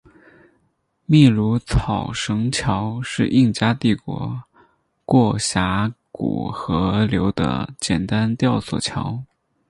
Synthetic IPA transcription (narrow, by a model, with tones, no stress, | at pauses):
mi˥˩lu˧˥t͡sʰɑ˨˩ʊʂɤ˧˥ŋt͡ɕʰjɑ˧˥ʊʂɻ̩˥˧ʔi˥˩ŋt͡ɕja˥t̪i˥˩kwɔ̰˧˥ | kwɔ˥˩ɕja˧˥kṵ˨˩xɤ˧˥ljo˧˥ʊd̪ə̰˧t͡ɕjɛ˨˩nt̪a˥nt̪jɑ˥˩ʊswɔ̰˨˩t͡ɕʰjɑ˧˥ʊ